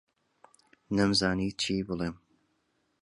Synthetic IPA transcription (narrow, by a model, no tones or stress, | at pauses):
nɐmzaːniːt͡ʃʰiːbɨlˠeːm